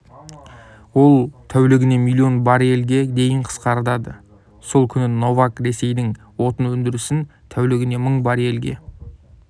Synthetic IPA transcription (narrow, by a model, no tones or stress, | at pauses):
wo̞lˠt̪ʰæwlɪɡʲɪne̞milʲˠːio̞nbɑɾe̞lɡʲe̞d̪e̞jɪɴqʰə̥sqɑɾd̪ɑd̪ə | so̞lˠkʲʰʏnɪno̞vakɾe̞se̞jd̪ɪŋ | wo̞t̪ənwɵnd̪ɪɾɪsɪnt̪ʰæwlɪɡʲɪne̞məɴbɑɾe̞lɡʲe̞̰